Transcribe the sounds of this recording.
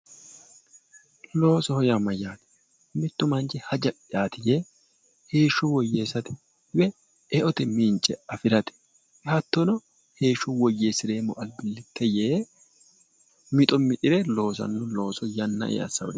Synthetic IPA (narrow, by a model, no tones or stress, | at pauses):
lo̞ːsɔhɔjamɐjaːt̪ɛ̥ | mɪt̪ːʊmɐnt͡ʃɛhɐd͡ʒɐʔʼɪjaːt̪ɪje | he̞ːʃːɔwɔjːeːsɐt̪ɛ̥ | wɛ | ɛʔɔt̪ɛmint͡ʃʼːɛɐfɪɾɐt̪ɛ̥ | ɛhɐt̪ːɔnɔ | he̞ːʃːɔwɔjːeːsɪɾe̞ːmɔʔɐlbɪlːɪt̪ʰːɛjeː | mɪt̪ʼɔmɪt̪ʼɪɾɛlo̞ːsɐ̰nːʊlo̞ːsɔjɐnːɐ̰ʔḛːɐ̰sːɐ̰wɔ̰d̪